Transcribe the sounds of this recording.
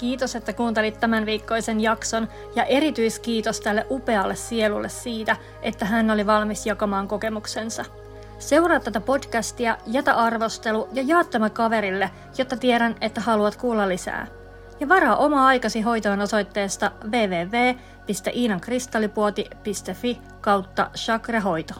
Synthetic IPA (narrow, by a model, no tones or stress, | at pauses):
k̟iːt̪o̞se̞t̪ːækuːnt̪elit̪ːæmænʋiːkːo̞jse̞njɑkso̞n | jɑʔe̞ɾit̪yjskiːt̪o̞st̪ælːeʔupe̞ɑlːessie̞lulːessiːt̪æ | ʔe̞t̪ːæɦænːo̞liʋɑlmisjɑkɑmɑːŋko̞ke̞mukse̞nsɑ | se̞wrɑːt̪t̪ːæt̪æpo̞dkæst̪iæjæt̪æʔɑrʋo̞st̪e̞lujɑjɑːt̪ːæmækɑʋe̞ɾilːe | jo̞t̪ːɑt̪ieɾæne̞t̪ːæhɑluɑt̪kuːlːɑlːisæ̰ː | jɑʋɑɾɑːʔo̞mɑɑjkɑsiɦo̞jt̪oeno̞so̞jt̪ːe̞ːst̪ɑʋe̞ːʋe̞ːʋeː | pist̪eʔiːnɑŋkrist̪ɑlːipuot̪ipist̪efi | kɑwt̪ːɑ̰ʃɑkrɑɦo̞jt̪o